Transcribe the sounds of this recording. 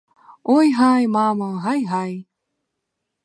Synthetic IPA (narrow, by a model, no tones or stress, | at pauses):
ojɦajmaməɦajɦaj